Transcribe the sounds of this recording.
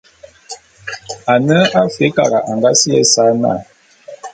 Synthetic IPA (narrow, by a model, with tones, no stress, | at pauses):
a˨nə˦a˦fe˨˦ka˨ɣa˨ʔa˨ŋɡa˦si˦ɛ˦sa˦na̰˦˨